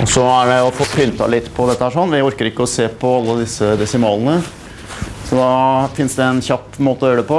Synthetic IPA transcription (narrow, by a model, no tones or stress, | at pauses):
ɔsɔæɖɛɔfoːpʰʏnt̪ɑ̰lɪt̪ːpʰɔd̪ɛt̪ːəhæːʂɔnːʋɪɔɾkəɾɪkːəɔseːpʰɔɑlːəd̪ɪsːəd̪ɛsɪmɑːlˠənə | sɔd̪ɑfɪnsd̪ɛɛnçɑpːmoːt̪əɔøːɖ̪əpɔ